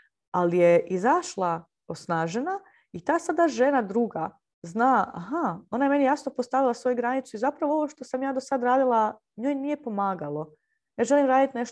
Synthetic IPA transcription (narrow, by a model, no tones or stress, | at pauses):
alije̞ʔizaʃlˠa | osnaːʒena | it̪aːsad̪aʒe̞nad̪ɾuːɡa | znaːa̰ɦao̞naje̞me̞nijaːsnopost̪aʋilˠasʋo̞juɡɾanit̪suizapɾaʋoo̞ʋoʃt̪o̞samjaːd̪o̞sad̪ɾaːd̪ilˠa | ɲo̞ːjnije̞po̞maːɡalˠo̞ | jaːʒe̞limɾaːd̪it̪ne̞ʃ